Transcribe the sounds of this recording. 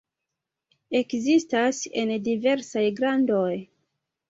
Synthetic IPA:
e̞kzistase̞̰ndive̞ɾsajɡɾando̞j

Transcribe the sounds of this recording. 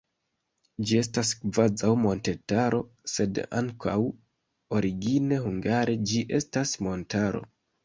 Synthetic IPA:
d͡ʒie̞staskvazawmo̞nte̞taɾo̞ | se̞da̰ŋkʰaw | o̞ɾiɡine̞huŋɡaɾe̞d͡ʒiʔe̞̰stasmo̞ntaɾo̞̰

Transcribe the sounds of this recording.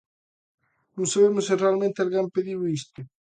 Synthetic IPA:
nũŋsaβemʊsɪrealmẽnt̪ealɣampeðiwist̪ʊ

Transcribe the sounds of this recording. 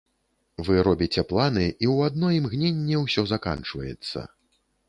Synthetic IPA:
vɨɾɔbʲit͡sʲɛplˠanɨʔiwad̪̚nɔjimɣnʲenʲːɛwsʲɔzaka̰nt͡ʂvɐ̰jɛ̰t̪sːɐ̰

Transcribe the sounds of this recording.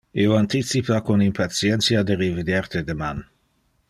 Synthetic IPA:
ioant̪it̪sipakonimpat̪sjɛntsjad̪eɾevid̪jaɾt̪ed̪eman

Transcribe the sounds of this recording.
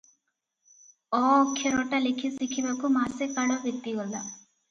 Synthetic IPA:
oːkʰːeɾoːʈɐlikʰisikʰibɐkumaːsekaːlobit̪ːiɐlːɐ

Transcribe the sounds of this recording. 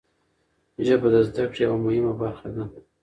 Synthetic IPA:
ʒabad̪azd̪akɽjawamʊhɪmabaɾxad̪a

